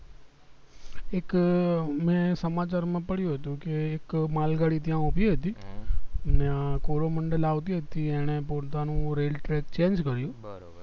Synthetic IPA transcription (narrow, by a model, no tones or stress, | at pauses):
eːk | mɛ̃səmaːt͡ʃaːɾmãːpəɽjũɦət̪ũkeːkmaːlɡaːɽit̪̬jãʊpiɦət̪i | nakoːɾoməɳɖəlaːʋt̪iɦət̪iɛːɽ̃epoːt̪anũɾeːlʈɾeːkt͡ʃẽːnd͡ʒkəɾjũː